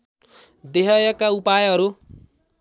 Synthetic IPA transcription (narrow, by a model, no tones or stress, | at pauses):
d̪eɦʌjʌkaupajɦʌɾu